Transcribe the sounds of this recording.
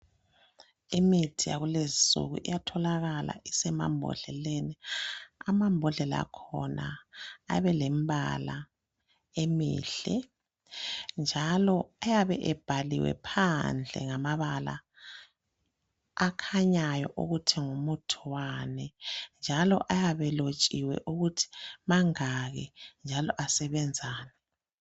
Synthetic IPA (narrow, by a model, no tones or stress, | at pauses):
imitʰija̰ɣulezisṵɣṵʔḭjatʰɔlaɣala̰ʔisɛma̰mbʱɔ̰ɮ̥ɛleːniamambʱɔɮɛlaa̰kʰɔnaː | βɛlɛmbʱa̰la | emḭɬɛ | nd͡ʒʱalɔajaβɛʔɛb̥ʱaliwɛ̰pʰand͡ɮʱɛ̰ŋamaβala̰ | kʰaɲajɔʔuɣutʰɛŋumutʰuwanɛnd͡ʒʱalɔ̰ʔajaβɛlot͡ʃʼiwɛ̰ʔuɣutʰi̥maŋaɣɛnd͡ʒʱalɔʔasɛβɛnd͡zʱaːnɛ